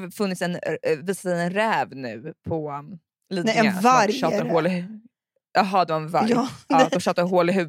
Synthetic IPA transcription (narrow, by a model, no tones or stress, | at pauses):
fɵnːɪt̪sɛnviːsasɛɛnɾɛːvnʉ̟̰ːpʰɔ | liːd̪avaɾʃɑːt̪aɾhoːl | ɑɦɑd̪ɛvaɛnvaɾd̪ɔmʃœːt̪aɾɦoːlɪɦʉ̟